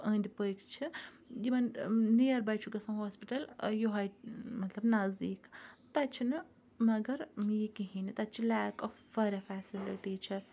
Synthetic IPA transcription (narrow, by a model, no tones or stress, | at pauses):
ɐ̃ːnd̪ipəkt͡ʃʰi | d̪imɐnnijɐɾbɐjt͡ʃʰuɡɐsɐ̃wɦoːspiʈɐljuɦɐjmɐt̪lɐbnɐzd̪iːkt̪ɐt͡ʃʰinɨ | mɐɡɐɾmjikiɦinit̪ɐt̪t͡ʃʰilaːkɔfːɐɾʲɐfasiliʈit͡ʃʰi